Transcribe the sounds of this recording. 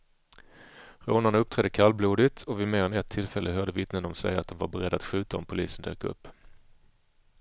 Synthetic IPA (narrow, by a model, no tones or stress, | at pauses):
ɾoːnanaɵp̚t̪ʰɾɛd̪ːəkʰalbluːd̪ɪt̪ʰɔvɪmeːɾɛnɛt̪ʰːɪlfɛlːəɦœːɖ̪əvɪt̪nənɔmsɛ̰jat̪̚d̪ɔmvaɾbɛɾɛd̪ːat̪ɧʉ̟ːt̪aɔmpʰʊlḭːsənd̪ø̰ːkaɵ̰pː